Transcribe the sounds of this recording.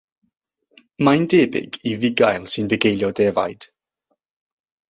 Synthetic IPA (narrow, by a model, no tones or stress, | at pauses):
majndeːbɪ̰ɡivɪɡajlˠsɨnbɛɡejlˠjɔdɛva̰jd̥